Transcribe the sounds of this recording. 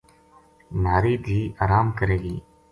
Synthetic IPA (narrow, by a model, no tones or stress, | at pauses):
maːɾiːb̪ʱiːaːɾaːmkəɾeːɡiː